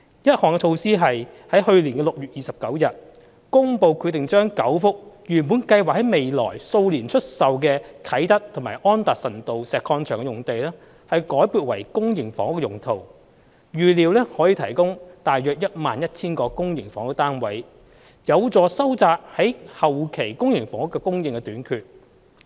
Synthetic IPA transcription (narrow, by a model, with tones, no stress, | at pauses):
jɐ˥t̚hɔː˨ŋkɛ˧t͡ʃʰo˧wsiː˥ɦɐ˨jhɐ˨˥jhɵ˧ɥliː˨˩nkɛː˧lʊ˨k̚jyː˨t̚jiː˨sɐ˨p̚kɐ˨˥wjɐ˨t̚ | kʊ˥ŋpo˨˧wkʰyː˨˧t̪ɪ˨˩ŋt͡ʃœː˥ŋkɐ˨˥wfʊ˥k̚jyː˨˩npuː˨˥nkɐ˧jwaː˨k̚hɐ˨˥jme˨jlɔ̰ː˨˩jso˧wliː˨˩nt͡ʃʰɵ˥t̚sɐ˨wkɛː˧kʰɐ˨˥jt̪ɐ˥k̚t̪ʰŋma̰ː˨˩ʔɔː˥nt̪aː˨k̚sɐ˨˩nt̪o˨wsɛː˨kʰɔː˧nt͡ʃʰœː˨˩ŋkɛ˧jʊ˨˩ŋt̪e˨jlɛː˥ | hɐ˨jkɔː˨˥jpuː˨˧t̚wɐ˨˩jkʊ˥ŋjɪ˨˩ŋfɔː˨˥ŋʊ˥kːɛ˧jʊ˨˩ŋt̪ʰo˨w | ɥyː˨liː˨wlɛː˥hɔː˨˥jiː˧t̪ʰɐ˨˩jkʊ˥ŋt̪aː˨jœː˨k̚jɐ˥t̚maː˨njɐ˥t̚t͡sʰiː˥nkɔː˧kʊ˥ŋjɪ˨˩ŋfɔː˨˥ŋʊ˥k̚t̪aː˥nwɐ˨˥j | jɐ˨˧wt͡sɔː˨sɐ˥wt͡saː˧k̚hɐ˨˥jhɐ˨wkʰe˨˩jkʊ˥ŋjɪ˨˩ŋfɔː˨˥ŋʊ˥kːɛ˧kʊ˥ŋjɪ˨˧ŋkɛ˧t̪yː˨˥nkʰyː˧t̚